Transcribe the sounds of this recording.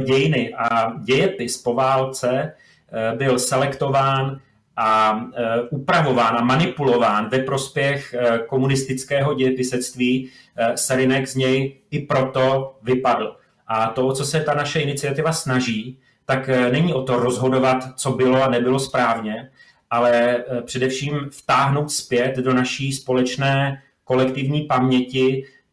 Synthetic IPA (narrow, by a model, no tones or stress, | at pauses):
ɟɛjɪnɪʔaɟɛjɛpɪspo̞vaːlt͡sɛ | bɪlsɛlɛkt̪o̞vaːn | ʔa | ʔupɾavo̞vaːnamanɪpulo̞vaːnvɛpɾo̞spjɛxko̞munɪst̪ɪt͡skɛːɦo̞ɟɛjɛpɪsɛst̪viː | sɛɾɪnɛɡzɲɛjʔɪpɾo̞t̪o̞vɪpadl̩ | ʔat̪ot͡so̞sɛt̪anaʃɛɪnɪt͡sɪat̪ɪvasnaʒiː | t̪aknɛɲiʔo̞t̪o̞ɾozɦo̞do̞vat̪t͡so̞bɪlo̞anɛbɪlo̞spɾaːvɲɛ | ʔalɛpr̥ɛdɛfʃiːmft̪aːɦno̞wt̪spjɛt̪do̞naʃiːspo̞lɛt͡ʃnɛː | ko̞lɛkt̪ɪvɲiːpamɲɛcɪ